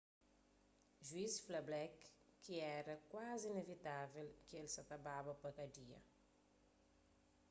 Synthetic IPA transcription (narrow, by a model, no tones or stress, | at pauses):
ʒwisflablɛkː | iɛɾəkwazinevit̪avelkelsat̪ababapakadia̰